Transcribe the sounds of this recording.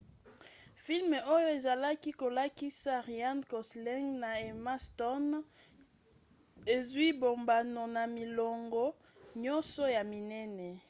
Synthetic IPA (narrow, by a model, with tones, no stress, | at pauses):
fi˦lme˨o˦jo˦e˨za˨la˦ki˦ko˨la˦ki˦sa˦ʁi˨a˦nkɔ˨slɛ˦ŋɡna˨e˨ma˦stɔ˦n | e˨zwi˦bo˨mba˨no˨na˨mi˨lo˨ŋɡɔ˦ | ɲɔ˦nsɔ˦ja˨mi˨nɛ˦nɛ˨